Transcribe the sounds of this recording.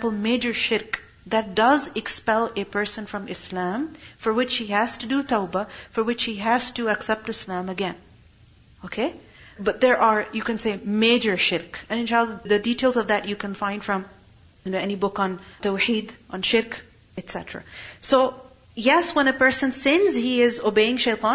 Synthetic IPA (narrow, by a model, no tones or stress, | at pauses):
pl̩ˠmeɪd͡ʒə˞ʃɪɾk | ðɨt̚d̥ʌzɨkspɛlˠɨpʰɜ˞sə̃nfɹʌ̃mɪslæ̃mfə˞wɪt͡ʃhihæz̥tɨdɨt̪ʰaʊbəfə˞wɪt͡ʃhiɦæz̥tɨɨksɛp̚tɨslæ̃məɡɛ̃n | okʰe | bʌt̪̚ðəɹʔəɹjɨkɨ̃nseɪmeɪd͡ʒə˞ʃɪɾkɨ̃nɨ̃nʃaɪlˠiðɨditʰeɪlˠzʌvðætjɨkʰɨ̃nfãɪ̃nd̥fɹʌ̃m | jɨ̃noɛnibʊknt̪oʊħiːdʔə̃nʃɪɾk | ɨtsɛ̰təɹa̰soʊ | jɛswə̃nɨpɜ˞sə̃nsɪ̃nzhiɪzobeɪɪ̃ŋʃeɪt̪ʰɑ̃